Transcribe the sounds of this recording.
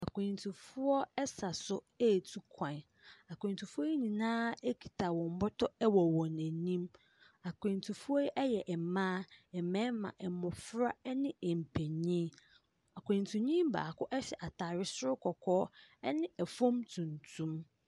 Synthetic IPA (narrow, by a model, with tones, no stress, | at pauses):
a˨kʷʰẽ˨n˨tʰũ˨fʊ˦ɔ˦ɛ˦sa˨sʊ˦ | e˦˨tʰu˦kʷʰã˨n˨ | a˨kʰʷẽ˨ntʰu˨fʊ˦ɔ˦ɲĩ˨nãː˦e˦kʰi̥˨tʰa˨wɔ̃˨m˦bʊ˦tʰɔ˦ɛ˦wɔ˨wɔ̃˨næ̃˨nĩ˦m | a˨kʰẽ˨n˨tʰu˨fu˦ɔ˦jɛ˦ʔɛ˦jɛ˨ʔɛ˨mãː˦ɛ˨mɛ̃˦mã̰˨ʔɛ˨mɔ̃˨fɾa˦ɛ˦nɪ̃˦ɛ˨m̩˨pʰæ˨ɲĩ˦ | a˨kʰʷẽ˨ntʰũ˨ɲĩ˦m˦ba̰ː˨kʰʊ˦ʔɛ˦ɕɛ˨ʔa˨tʰa˨ɾɪ˦sʊ˦ɾʊ˦kʰɔ˨kʰɔː˦ɛ˦nɪ̃˦æ˨fõ˦mtʰũ˨ntʰũ˦m